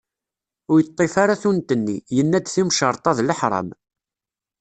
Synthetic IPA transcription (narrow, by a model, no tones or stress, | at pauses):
ʊɾjət̪ˤːefaɾaθunt̪ənːijənːæd̪θimʃəɾˤt̪ˤɑðləħɾˤɑ̰m